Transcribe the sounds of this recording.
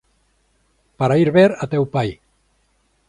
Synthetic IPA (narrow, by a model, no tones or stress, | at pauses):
paɾaiɾβeɾat̪ɛwpaj